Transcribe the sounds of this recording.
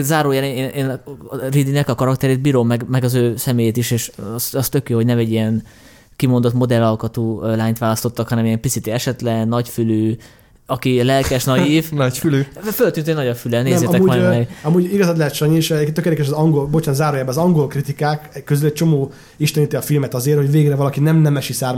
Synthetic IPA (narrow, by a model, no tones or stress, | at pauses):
zaːɾoːjaːneeːnʔeːnrid̪inɛkɒkɒɾɒkt̪ɛɾeːt̪biːɾo̞mːɛɡmɛɡɒzøːsɛmeːjeːt̪iʃeːʃsɒst̪økjoːɦoɟnɛmɛɟːijɛn | kimo̞nd̪o̞t̪mo̞d̪ɛlːɒlkɒt̪uːlaːɲt̪ʋaːlɒst̪o̞t̪ːɒkhɒnɛmijɛmpisit̪iɛʃɛt̪lɛnɒcfyløː | ɒkilɛlkɛʃnɒjiːvnɒcfyløːfø̞lt̪ynɛnɒɟɒfylɛneːnzmːeːt̪ɛmkːmɔnɛɡɒmuːɟiɡɒzat̪lɛɦɛt̪ʃɔɲiʃt̪økeɾd̪ɛkɛʃɛzɒŋɡo̞lbot͡ʃaːnzaːɾoːjaːbɛːzɒŋɡo̞lkrit̪ikaːkɛkːøzylɛc̚t͡ʃomoː | iʃt̪ɛnit̪iɒfilmɛt̪ɒzeːrho̞ɟveːɡrɛvɒlɒkinɛmnɛmɛʃisaːr